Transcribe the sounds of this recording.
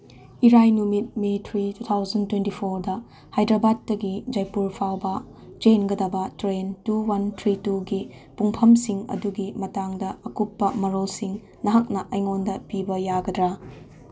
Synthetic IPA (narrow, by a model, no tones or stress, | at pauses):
iɾajnumit̚metʰɾitut̪ʰawzɐntwentipʰoɾdɐ | hajdɾɐbad̚ːɐɡid͡ʒɐjpuɾpʰawbɐ | d͡ʒenɡɐdɐbɐtɾentuwɐntʰɾituɡipuŋpʰɐmsiŋɐ̰duɡimɐtaŋdɐɐkupːɐmɐɾolsiŋ | nɐɦak̚nɐʔɐjŋondɐpibɐjaɡɐdɾa